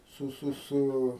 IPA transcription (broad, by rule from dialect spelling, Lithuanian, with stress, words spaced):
ˈsʊ ˈsʊ ˈsʊ